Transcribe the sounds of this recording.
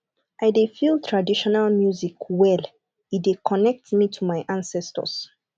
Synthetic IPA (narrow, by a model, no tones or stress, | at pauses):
ʔaɪdefilˠtʰɹadiʃɔnalmjuzikwɛl | idekʰɔnɛk̚tmitʰumajʔãnsɛstə̰s